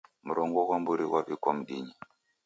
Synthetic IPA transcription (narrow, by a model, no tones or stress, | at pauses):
muɾɔŋɡɔkwambuɾiwaβikwam̩ɗiɲi